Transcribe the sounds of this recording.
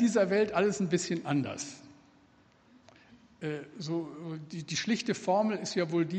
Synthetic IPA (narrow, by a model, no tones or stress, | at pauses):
d̥iːzɐvɛltʔaləsn̩bɪsçənʔandɐ̰s | ʔɛːzoːdiːdiːʃlɪçtəfɔɐml̩ɪstjaːvoːldiː